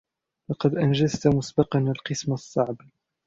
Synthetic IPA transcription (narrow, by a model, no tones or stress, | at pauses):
lɑqɑd̪ʔand͡ʒazt̪mʊsbɑqɑnalqɨsmasˤːɑʕb